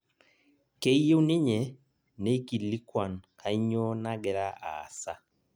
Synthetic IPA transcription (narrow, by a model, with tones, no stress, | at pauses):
ke˦i˦je˦u˦ni˦ɲɛ˨ | ne˦i˦ki˨li˦kwa˨nka˨i˦ɲɔ˦na˦ɡɛ˨ɾa˦ʔa̰˨sa˦